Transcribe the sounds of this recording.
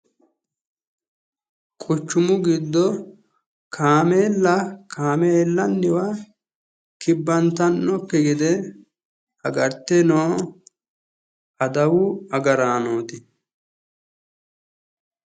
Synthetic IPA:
kʼʊt͡ʃːʊmʊɡɪd̪ːɔ | kʰaːmeːlːɐkʰaːmeːlːɐnːɪwɐ | kɪbːɐnt̪ɐnːɔpːɛɡɛd̪ɛ | ɐɡɐɾt̪ːɛnoː | ɐd̪ɐwʊɐɡɐɾaːnoːt̪ɪ

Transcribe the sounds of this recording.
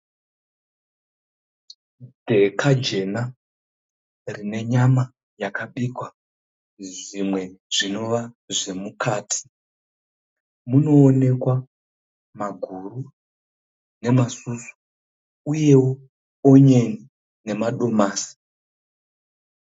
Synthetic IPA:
dʱe̞kʰad͡ʒe̞na | rine̞ɲama | jakaɓikwa | ʐimwe̞ʐino̞ʋa | ʐe̞mukʰaːtʰi̥ | muno̞ːne̞kwa | maɡʱuru | ne̞masusu̥ | uje̞wo | oɲeni | ne̞maɗo̞maːsi̥

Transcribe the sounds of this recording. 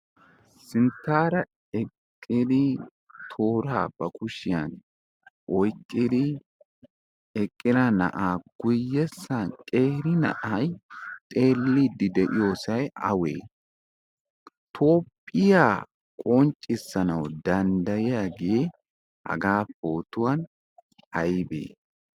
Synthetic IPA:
sɪnt̪ːaːɾɐ | ɛkʼːɪd̪ɪ | t̪ʰo̞ːɾaːb̥ɐkʊʃɪjɐn | ʔɔjkʼːɪd̪ɪ | ɛkʼːɪɾɐnɐ̰ʔaːɡ̥ʊjːɛsːɐnkʼe̞ːhɾɪnɐ̰ʔɐjt̪ʼe̞ːlːid̪ɪd̪ɛʔɪjo̞ːsɐjɐ̰wḛː | t̪ʰoːpʼːɪjaː | kʼɔnt͡ʃʼːɪsːɐnɐwd̪ɐnd̪ɐjɪjaɡɪje | hɐ̰ɡaːpːo̞ːt̪ʊwɐn | ɐjbḛː

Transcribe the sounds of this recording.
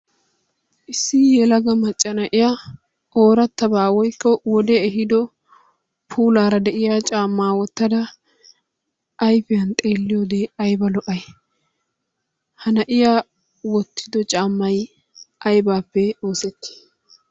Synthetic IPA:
ʔɪsːɪjɛlɐɡɐmɐt͡ʃʼːɐnɐʔɪjaː | ʔo̞ːɾɐt̪ːɐbaːwɔjkːɔwɔd̪ɛːɦɪd̪ɔ | pʰuːlaːɾɐd̪ɛʔɪjaːt͡ʃʼaːmːaːwɔt̪ːɐd̪ɐ | ʔːjfɪjɐnt̪ʼeːlːɪjoːd̪eːɐjbɐlɔʔɐj | hɐnɐʔɪjaː | wɔt̪ʰːɪd̪ɔt͡ʃʼaːmːɐj | ʔɐjbaːpːɛo̞ːsɛt̪ːi̥ː

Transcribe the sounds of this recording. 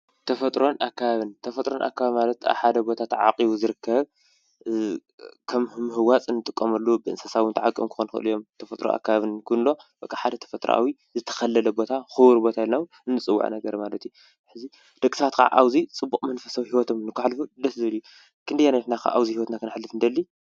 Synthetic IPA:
t̪ʰɐfɐt̪ʼɾo̞nakʰːaβaβɨnt̪ʰɐfɐt̪ʼɾonʔa̰kːaβaβmalɐt̪a̰βħad̪ɐbo̞t̪ʰat̪ʕa̰qʼiβuzɨɾɨkʰːɐβ | kʰɐmɨmːɨɦɨwat͡sʼɨnːɨt̪ʼɨkʼːɐmɐlːubɨɨnsɐsaβwɨnt̪ʰaʕakʼɨmkʰɨ̥xonxɨ̰ʔɨlijo̞mt̪ʰɐfɐt̪ʼɾo̰ʔa̰kːaβaβɨnkʰɨnlo̞b̥ɐkʼːaħad̪ɐt̪ʰɐ̥fɐt̪ʼɾɐ̰ʔa̰wi | zɨt̪ʰɐ̥xɐlːɐlɐbo̞t̪ʰaxɨwuɾbo̞t̪ʰailnawu | ɨnːɨt͡sʼɨwːa̰ʕ̰nɐɡɐɾmalɐt̪ju | ħɨzi | d̪̥ɐkʼi̥sat̪kʰa̰ʕʔa̰wzit͡sʼɨbːukʼmɐnfɐsawihiwɔt̪ʰomnɨkːaħlfud̪ɐszɨβɨlju | kʰɨnd̪ɐjanaɐt̪nakʰa̰ʔa̰wzihiwɔt̪nakʰɨnaħlːɨfɨnd̪ɐlːi

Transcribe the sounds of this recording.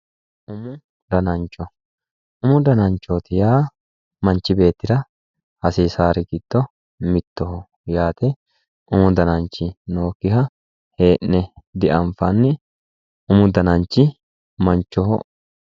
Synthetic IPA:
ʔʊmʊ | d̪ɐnɐnt͡ʃːɔ | ʊmʊd̪ɐnɐnt͡ʃːot̪ɪjaː | mɐnt͡ʃːɪbe̞ːt̪ːɪɾɐ | hɐsiːsaːɾɪɡɪd̪ːɔ | mɪt̪ːɔɦɔ | jaːt̪ɛ | ʊmʊd̪ɐnɐnt͡ʃːɪno̞ːkːɪhɐ | he̞ːʔnɛd̪ɪʔɐɱfɐnːɪ | ʔʊmʊd̪ɐnɐnt͡ʃːɪ | mɐnt͡ʃːɔhɔ̰

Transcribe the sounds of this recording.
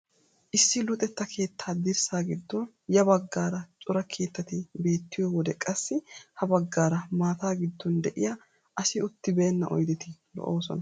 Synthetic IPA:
ʔɪsːɪlʊt̪ʼɛt̪ːɐkʰe̞ːt̪ʰːaːd̪ɪɾsaːɡɪd̪ːɔn | jɐbɐɡːaːɾɐt͡ʃʼʊɾɐkʰe̞ːt̪ːɐt̪ɪbe̞ːt̪ːɪjɔwɔd̪ɛkʼɐsːɪhɐbɐɡːaːɾɐmaːt̪aːɡɪd̪ːɔnd̪ɛʔɪja | ʔɐsɪʊt̪ːɪbeːnːɐ̰ʔɔ̰jd̪ɛt̪ɪlɔ̰ʔoːsɔ̰nɐ

